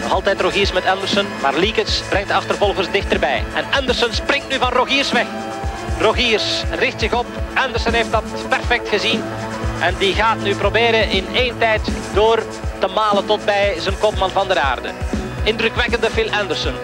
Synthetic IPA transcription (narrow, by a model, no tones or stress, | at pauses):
nɔxɑlˠtɛtroɣiːrsmɛtɛndərsənma̰ːrlikənsbɾɛŋtdəɑxtərvɔlˠɣərsdɪxtərbɛ̰jɛ̰nɛndərsənsprɪŋtnyvɑnroɣiːrsʋɛx | roɣiːrsrɪxtsɪɣɔpɛndərsənɦeftdɑt | pɛrfɛk̚txəzin | ʔɛndiɣaːtnyprobeːɾəʔɪneːntɛjtdoːr | təmaːləntɔt̚bɛjzənkɔpmɑnvɑndəɾa̰ːrdə̰ɪndrɵkʋɛkəndəfɪlˠɛndərsən